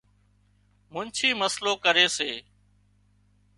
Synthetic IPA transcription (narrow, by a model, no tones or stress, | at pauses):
mʊnt͡ʃʰiːməsloːkəɾeːseː